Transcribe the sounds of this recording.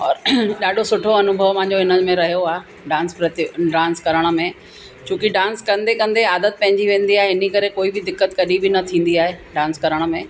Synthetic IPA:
ɔːɾɗaːɗʱosʊʈʰoɐnʊbʱəʋpɐ̃ɦɪ̃ɲd͡ʑoɪnəmẽɾɐɦijoaːɦe | ɖãːnspɾɐt̪ɪɖaːnskɐɾəɽ̃ə̆mẽ | t͡ɕũːkɪɖãːnskɐ̃nd̪ekɐ̃nd̪eaːd̪ət̪̚pɐ̃ɦɪ̃ɲd͡ʑiʋẽːn̆d̪iaːɦeɪnikɐɾekoːibɪd̪ɪkːət̪kɐɗibɪnɐt̪ʰĩːn̆d̪iaːɦeɖaːnskɐɾəɽ̃ə̆mẽ

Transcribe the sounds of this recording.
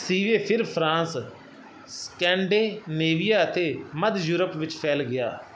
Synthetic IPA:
siːʋeːpʰɪɾpʰɾãːs | skɛ̃ːɳɖeːneːʋijaːət̪eːməd̪juːɾəpʋɪt͡ʃpʰɛːlɡɪja̰ː

